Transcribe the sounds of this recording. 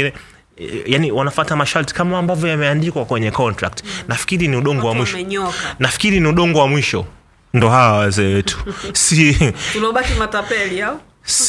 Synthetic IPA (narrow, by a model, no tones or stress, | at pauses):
inɛ | janiwanafatamaʃalti̥kamaːmbavjɔjamɛandikwakwɛɲɛkɔntɾa̰k̚tnafi̥kiɾiniuɗɔŋɡɔwamwiʃɲɔknafi̥kiɾiniuɗɔŋɡɔwamwiʃɔ | ndɔhawawazɛɛtʰu̥siunɔɓakimatapɛlia | s